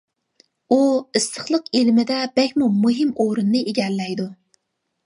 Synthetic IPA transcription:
uɨst̪ʰəχlˠəqelmɪd̪ɛbɛkʲmumuɦɪmoɾɨnːɨʔeɡʲɛlːɛjd̪u

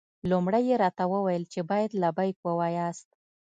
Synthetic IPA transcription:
lumɽəjeɾɑt̪awəwajəlt͡ʃebɑjad̪labajkwəwɑjɑst̪̚

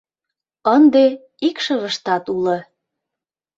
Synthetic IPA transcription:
ənd̪e | ikʃəβə̆ʃt̪ɑt̪ulɤ̆

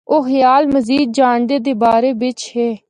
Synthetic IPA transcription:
oːɦjaːlməziːd̪̚d͡ʒaːɳd̪eːd̪eːbaːɾeːbɪt͡ʃɦeː

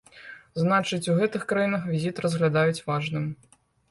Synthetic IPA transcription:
znat͡ʂɨt͡sʲuɣɛt̪ɨxkɾajinɐxvʲizʲit̪rɐzɣlʲad̪ajut͡sʲvaʐnɨm

